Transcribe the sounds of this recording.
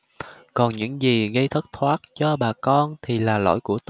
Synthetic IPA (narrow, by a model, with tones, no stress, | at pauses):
kɔ˨˩nɲɨ̰˧˥ŋzi˨˩ɣə˧jt̪ʰə˦˥t̚t̪ʰwaː˦˥t̚t͡ɕɔ˧ɓaː˨˩kɔ˧nt̪ʰi˨˩laː˨˩lo̰˧˥jku˧˩ət̪